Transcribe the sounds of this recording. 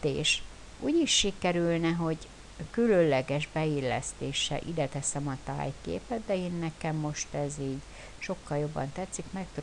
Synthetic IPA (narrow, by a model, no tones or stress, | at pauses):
eːʃ | ʔuːɟiʃːikɛɾylnɛɦo̞ɟ | kyløllɛɡɛʒbɛilːɛ̰st̪eːʃɛ̰ʔḭd̪ɛt̪ɛsɛmɒt̪a̰ːjkḛːpɛt̪̚d̪ɛeːnːɛkɛmːo̞ʃt̪ɛziːɟ | ʃo̞kːɒljo̞bːɒnt̪ɛt̪sːikmɛk̚t̪